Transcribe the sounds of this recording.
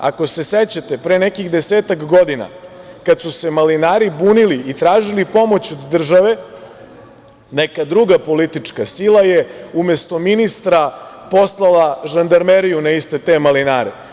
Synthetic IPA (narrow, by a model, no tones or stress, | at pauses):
a̰ko̞se̞set͡ɕat̪e̞pɾeːnekixd̪e̞seːt̪akɡo̞d̪ina̰kat̪suse̞malinaːɾibuːniliit̪ɾaːʒilipo̞mo̞t͡ɕod̪ːr̩ʒaʋe̞ | nekad̪ɾuɡapo̞lit̪it͡ʂkasilˠaje̞umest̪o̞minist̪ɾa | po̞slˠalˠaʒand̪aɾmeɾijunaist̪e̞t̪e̞malinaːɾḛ